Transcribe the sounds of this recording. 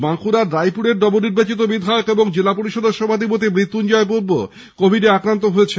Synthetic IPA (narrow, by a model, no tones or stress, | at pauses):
baŋkuɾaɾːajpuɾeɾɖɔboniɾbat͡ɕit̪obid̪ʱaeokeboŋd͡ʑelapoɾiʃod̪ʱeʃɔbʱad̪ʱipot̪̬imɾit̪ːund͡ʑɔep̬uɾbo̰ | kobʱiɖeakɾant̪oɦoet͡ɕʰe